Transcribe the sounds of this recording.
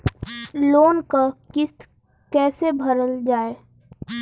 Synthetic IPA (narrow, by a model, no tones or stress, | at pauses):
loːnkakɪst̪ | kɛːsebʱəɾəld͡ʒaːeː